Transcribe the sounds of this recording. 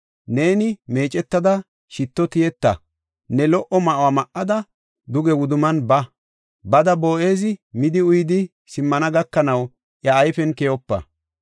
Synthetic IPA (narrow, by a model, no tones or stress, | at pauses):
ne̞ːnɪme̞ːt͡ʃʼɛt̪ːɐd̪ɐ | ʃɪt̪ːɔt̪ɪjɛt̪ːɐ̰ | nɛlɔʔɔmɐʔwamɐʔːɐd̪ɐ | d̪ʊɡɛwʊd̪ʊmɐnbɐ | bɐd̪ɐbo̞ːʔe̞ːzɪmɪd̪ɪʊjd̪ɪ | sɪmːɐnɐɡɐkːɐnɐw | ʔjɐːjfɛnkɛjɔpːɐ̰